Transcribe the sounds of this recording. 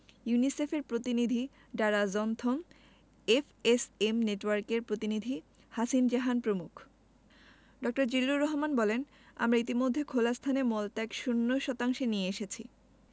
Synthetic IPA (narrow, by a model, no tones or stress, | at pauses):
junisefeɾpɾot̪inid̪ʱi | ɖaɾazɔnt̪ʰom | efesemneʈwaɾkeɾpɾot̪inid̪ʱi | hasind͡ʑaɦanpɾomukʰ | ɖɔk̚ʈoɾd͡ʑilːuɾɔɦmanbɔlen | a̰mɾait̪̬imod̪ʱːekʰolast̪ʰanemɔltaɛkʃunːoʃɔt̪aŋʃenieeʃet͡ɕʰi